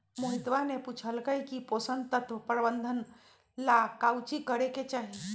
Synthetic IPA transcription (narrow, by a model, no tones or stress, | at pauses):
moɦit̪ʋaneput͡ʃʰəlkəjkiposənd̪t̪ət̪ʰʋəpɾbənd̪ʱən | lakawt͡ʃikəɾeket͡ʃaːɦi